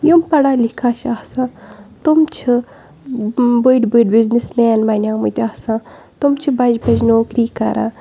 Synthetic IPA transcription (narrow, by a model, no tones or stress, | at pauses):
jumpɐɽaːlikʰaːt͡ʃʰaːsãːt̪umt͡ʃʰɨ | bujʈbiɖbiznismeːnmanʲaːmut̪ʲaːsãː | t̪umt͡ʃʰibɐd͡ʒbɐd͡ʒnoːkɾiːkɐ̰ɾa̰ː